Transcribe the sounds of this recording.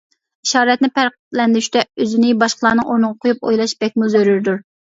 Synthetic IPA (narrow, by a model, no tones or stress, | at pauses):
iʃɑːɾɛt̪̚nɪpʰæɾq̪ | lɛnd̪ɪɾyʃt̪ɛøzɪnɪbɑʃqəlˠɑːnɨŋoɾnɨʁɑqʰʊjup̚ojlˠɑʃbɛk̚ʲmuzøɾyɾd̪uɾ